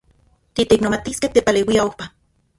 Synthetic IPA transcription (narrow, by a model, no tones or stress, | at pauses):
t̪it̪eknomat̪iskeht̪epaleːwiaohpa